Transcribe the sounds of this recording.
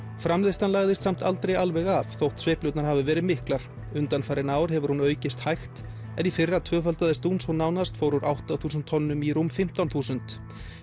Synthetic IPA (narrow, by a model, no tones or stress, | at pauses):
fɾamlɪðst̪anlaːɣðɪst̪sam̥t̪a̰lt̪ɾejalvɛɣafθowht̪svejplœwt̪naɾ̥haːvɪvɛːɾɪðmɪhklaɾ̥ | ʏnt̪anfaɾɪnaːwɾ̥hɦɛvʏɾ̥hunœːɥcɪst̪hajxt̪ | ɛnifɪrːat̪ʰvœːfœlt̪aðɛst̪unsɔwnaːwnast̪fowɾʏɾʔawht̪aθuːsʏnt̪ʰːɔnːʏmirumːfɪm̥t̪awnθuːsʏnt̪